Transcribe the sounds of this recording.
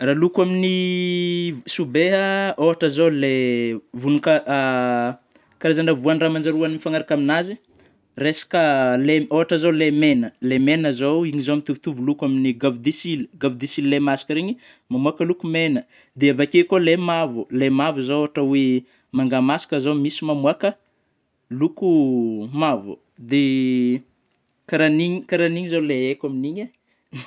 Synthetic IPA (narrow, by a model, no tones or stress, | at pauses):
ralukwamini | subeɦəoɦaʈ͡ʂazowlevunuka | kaɾezanəvuaniramand͡ʒaɾuaniifaŋaɾakaminazi | resḁkəleoɦaʈ͡ʂazolemenəlemenəzowiɲizoamit̪uvu̥t̪uvulukaminiɡavud̪isiliɡavud̪isililemasḁkəɾeɲi | mamuakəlukumenə | d̪eavakekolemavulemavuzooaʈ͡ʂəwe | maŋɡamasi̥kəzomisimamuakə | lukumavṵ | d̪e | kaɾaniɲikaɾaniɲizoleekʲaminiɲe